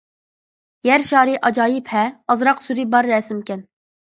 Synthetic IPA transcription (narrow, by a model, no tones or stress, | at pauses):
jæɾʃɑːɾiʔɑd͡ʒɑːjipʰɛɑzɾɑqsuɾibɑɾːɛsɪmkʲɛn